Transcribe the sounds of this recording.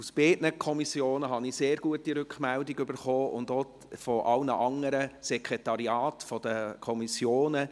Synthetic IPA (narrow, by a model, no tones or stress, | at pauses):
usb̥eːtnəkʰɔmisjoːnəɦɑnɪseːɾɡ̥uətiɾʏkχmɛldɪɡʏbəɾχoːʊ̰ndo | fɔʔɑlnəʔɑŋːəɾəsɛkʁɛtɑɾiɑːtfɔd̥əkʰɔmisjoːnə